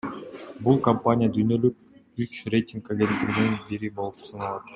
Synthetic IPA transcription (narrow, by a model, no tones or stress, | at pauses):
bulˠkɐmpanʲɪjəd̪yjnø̞lyk̚yt͡ʃrʲe̞jtʲiŋkaɡʲe̞nt̪ːiɡininbiɾibo̞lˠupsɯnɑlˠɑt̪